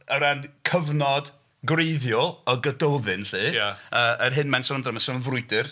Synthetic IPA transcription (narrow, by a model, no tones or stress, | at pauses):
əɾankʰəvnɔd | ɡreɨðjɔɔɡədowðɨnɬɨːjaəːʔərɦɨnmɛnsɔnəmdrəmansɔnənvrʊɨdɨr